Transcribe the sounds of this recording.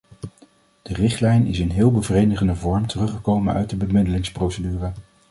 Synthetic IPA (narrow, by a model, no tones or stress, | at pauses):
d̥ərɪχtlɛjnɪsɪnɦɪːlˠbəvrejdəχəndəvɔɹmtərɵχəkowmənœ̰ɥt̚dəbəmɪdəlɪŋsprowsədyːrə